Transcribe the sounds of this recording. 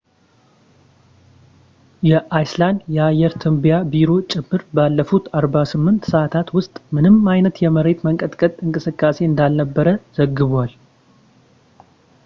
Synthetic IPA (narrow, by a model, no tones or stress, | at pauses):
jɛʔajsland̪jɛajɛɾt̪ʰɨmbijabiɾo̞t͡ʃʼɪmːɨɾbalːəfut̪aɾbasɨmːɨnt̪səʔat̪ʰat̪wʊst̪ʼmɨnɨmajnət̪jɛməɾe̞t̪məŋkʼət̪ʼkʼət̪ʼɨŋkʼɨsɨkʼːase̞ɨnd̪alnəbːəɾəz̥əɡːɨβal